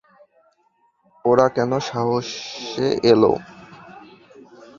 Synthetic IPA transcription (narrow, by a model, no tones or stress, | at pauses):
oɾakɛnoʃaɦoʃeʔelo̰